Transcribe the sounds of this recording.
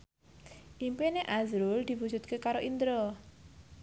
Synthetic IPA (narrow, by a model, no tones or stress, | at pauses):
ʔimpeneʔazɾuld̪̥i̤wud͡ʒṳt̪̚kekaɾoʔind̪ɾo